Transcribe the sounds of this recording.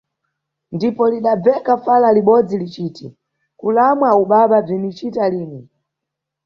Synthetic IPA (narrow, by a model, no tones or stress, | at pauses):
ndipɔliɗab͡vɛkafalaliɓɔd͡zilit͡ʃiːti | kulamwauɓaɓab͡ʐinit͡ʃitaliːni